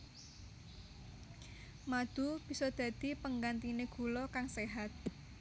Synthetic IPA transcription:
mad̪̥ṳb̥i̤sɔd̪̥ä̤d̪̥i̤pəŋɡant̪ineɡ̥ṳlɔkaŋseɦat̪̚

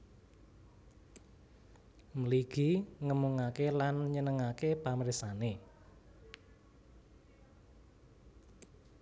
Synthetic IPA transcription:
mliɡ̥iŋəmuŋakelanɲənəŋakepaməɾisane

